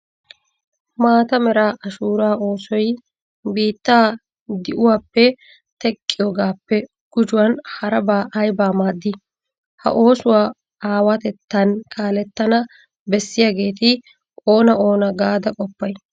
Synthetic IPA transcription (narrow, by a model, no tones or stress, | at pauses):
maːt̪ɐmɛɾaːʔɐʃuːɾaːʔo̞ːsɔj | biːt̪ːaː | d̪ɪʔʊwaːpːɛ | t̪ɛkʼːɪjoːɡaːpːɛ | ɡ̥ʊd͡ʒʊwɐnhɐɾɐbaːʔɐjbaːmaːd̪ːɪ | hɐ̰ʔo̞ːsʊwaː | aːwɐt̪ɛt̪ːɐnkʰaːlɛt̪ːɐnɐ | bɛsːɪjaɡe̞ːt̪ɪ | ʔo̞ːnɐo̞ːnɐɡaːd̪ɐkʼɔpːɐj